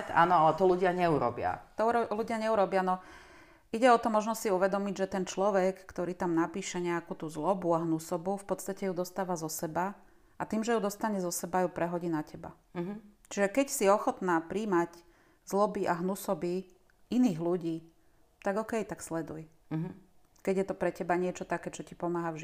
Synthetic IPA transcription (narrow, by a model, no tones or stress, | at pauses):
a̰ːnɔalɛt̪ɔluɟɪaɲɛuɾɔ̰bɪa̰t̪ɔluɟɪaɲɛuɾɔbɪanɔ | iɟɛɔt̪ɔmɔʒnɔsiuʋɛd̪ɔmiɟʒɛt̪ɛnt͡ʃlɔʋɛkːt̪ɔɾiːt̪amnapiːʃɛɲɛakuːt̪uzlɔbuaɦnusɔbufpɔt̪st̪acɛjud̪ɔst̪aːʋazɔsɛba | at̪iːmʒɛjud̪ɔst̪aɲɛzɔsɛbajupɾɛɦɔɟinacɛba̰ | t͡ʃiʒɛkɛcsiɔxɔt̪naːpɾiːmac | zlɔbiʔaɦnusɔbi | iniːɣluɟiː | t̪aɡɔkɛjt̪akslɛd̪uj | kɛɟjɛt̪ɔpɾɛcɛbaɲɪɛt͡ʃɔt̪akɛːt͡ʃɔcipɔmaːɦavʒi